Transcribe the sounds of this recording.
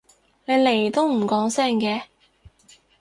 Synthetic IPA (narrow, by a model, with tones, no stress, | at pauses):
ne˨˧le˨˩jt̪o˥wm̩˨˩kɔː˨˥ŋsɛː˥˩ŋkɛː˧